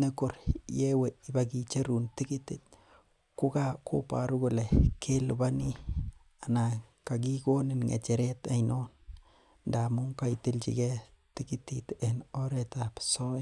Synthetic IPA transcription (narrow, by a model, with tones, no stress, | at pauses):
ne˦ko˨ɾje˦we˨i˨ba˦ɡi˦t͡ʃe˦ɾu˨nt̪i˦ki˦t̪i˨t̪̚ | ku˦ka˦ko̰˦pa̰˨ɾu˦ɡo˦le˨kʰe˦lu˨ba˦ni˦ | a˨na˨ka˨ɡi˦ɡo˦ne˨nŋḛ˨t͡ʃe˨ɾe˦t̪a˨ino˦n | nda˨mu˦ŋka˦˨i˨t̪i˦lt͡ʃḭ˨ɡe˦ | ti˦ki˦t̪i˨t̪e˨no˦ɾe˨t̪a˨pso˦